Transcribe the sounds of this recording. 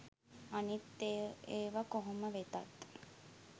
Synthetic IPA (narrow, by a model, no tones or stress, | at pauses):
anit̪ːeeːʋakoɦoməʋet̪at̪